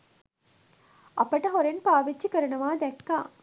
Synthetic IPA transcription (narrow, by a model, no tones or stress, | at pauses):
ʔɐpɐʈɐɦoɾenpaːʋid͡ʒt͡ʃːikɐɾɐɳɐʋaːd̪ɛʈka̰ː